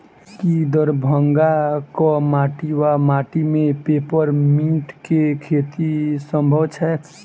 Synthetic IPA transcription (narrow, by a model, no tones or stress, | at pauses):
kid̪əɾbʱəŋɡakɔmaːʈiwamaːʈimẽpeːpəɾmĩːʈkekʰeːt̪isə̃mbʱəwt͡ʃʰɛ